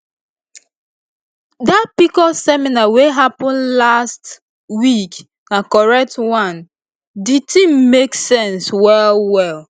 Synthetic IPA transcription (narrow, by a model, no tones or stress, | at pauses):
dat̚pikɔsɛminaweɦapɔ̃nlast | wik | nakɔɹɛk̚twãn | ditĩmmeksɛ̃nswɛlwɛl